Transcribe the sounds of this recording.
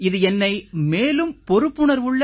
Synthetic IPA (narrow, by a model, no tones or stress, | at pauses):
ɪðɯɛnːɐɪmeːlɯmpɔɾɯpːɯɳɐɾʋʊɭːɐ